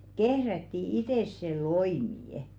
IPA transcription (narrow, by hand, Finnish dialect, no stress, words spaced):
kehrætːi iteˑs se loimiˑə̆